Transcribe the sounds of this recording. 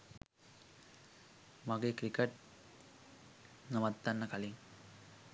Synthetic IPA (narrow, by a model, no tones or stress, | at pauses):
mɐɡekɾikeʈ̚ | nɐmɐt̪ːɐnːɐkɐliŋ